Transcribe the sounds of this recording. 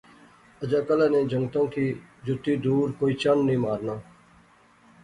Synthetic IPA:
əd͡ʒaːkəlaːnẽːd͡ʒʱəŋɡt̪ãːkʰiːd͡ʒʊt̪iːd̪uːɾkoːiːt͡ʃənːĩːmaːɾnãː

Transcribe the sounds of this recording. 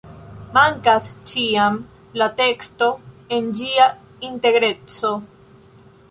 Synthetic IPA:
maŋkast͡ʃiam | late̞ksto̞e̞nd͡ʒia | inte̞ɡɾe̞t͡so̞

